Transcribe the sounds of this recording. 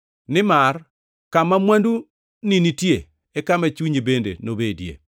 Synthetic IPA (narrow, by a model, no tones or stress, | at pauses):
nɪmar | kamamwandu | ninitje | ɛkamat͡ʃuɲibendḛnobedjḛ